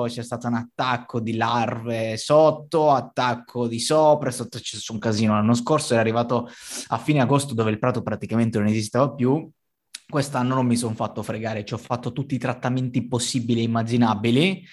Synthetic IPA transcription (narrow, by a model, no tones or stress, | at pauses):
t͡ʃɛst̪aːt̪ounat̪ːakːod̪ilarvesot̪ːoat̪ːakʰːod̪isɔoːpɾesot̪ːot͡ʃɛsuŋkaziːnolanːos̬korsoɛɾarːivaːt̪oafːiːneaɡost̪od̪oːveilpɾaːt̪opɾat̪ikament̪enonezist̪eːvapju | kwest̪anːonomːisonfat̪ːofɾeɡaːɾet͡ʃɔfat̪ːot̪ut̪ːiːt̪ɾat̪ːament̪iposːibilieimːad͡ʒinabili